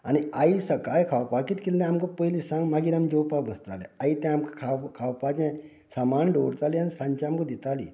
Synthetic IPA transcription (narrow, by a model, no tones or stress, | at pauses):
añiaisəkajkʰawpakit̪kild̪ɛ̃amkəpəilisãŋɡmaɡiːɾamd͡ʑowpabʱəst̪alḛait̪ɛ̃amkə̥kʰakʰawpat͡ɕẽ | samanɖoɽt͡s̪alianisãɲt͡ɕaamkəd̪it̪alḭ